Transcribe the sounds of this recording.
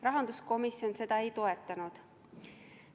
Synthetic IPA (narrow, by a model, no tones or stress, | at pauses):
rɑɦɑnd̪usko̞misio̞nse̞d̪̥ɑe̞jt̪o̞et̪ːˑɑnud̪̥